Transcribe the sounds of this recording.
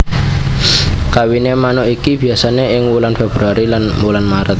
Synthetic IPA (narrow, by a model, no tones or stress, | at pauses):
kawinemanɔʔikib̥i̤asaneɪŋwulanfeb̥ɾuaɾilanwulanmaɾət̪̚